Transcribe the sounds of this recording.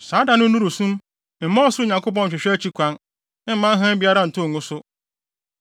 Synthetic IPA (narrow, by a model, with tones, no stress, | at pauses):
saː˨˦da˨nʊ̃˦nũ˦ɾu˨sũ˦m˨ | m̩˨mã˦ɔ˦sʊ˦ʊ˦˨ɲã˨ŋko˦p̬ɔ̃˦n̩˨t͡ɕᶣɪ˨ɕᶣt͡ɕʰi˦kʷã˦n | ɪ˦m̩˦mã˦ɦã˦bi˦a˦ɾa˦˨n̩˨tʊ̃˦˨ŋʊ̃˦sʊ˦